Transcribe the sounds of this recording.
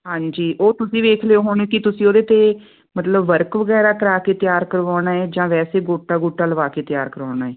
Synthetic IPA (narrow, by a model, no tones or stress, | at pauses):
ɦãːɲd͡ʒiːʔoːt̪ʊsĩːʋeːkʰleoːɦoːnẽːkɪt̪ʊsĩːoːd̪eːt̪eː | mət̪ləbʋəɾkʋəɡɛːɾaːkəɾaːkeːt̪ɪjaːɾkəɾʋaːɽaːeːd͡ʒãːʋɛːseːɡoːʈːaːɡoːʈːaːləʋaːkeːt̪ɪjaːɾkəɾaːnaːɛː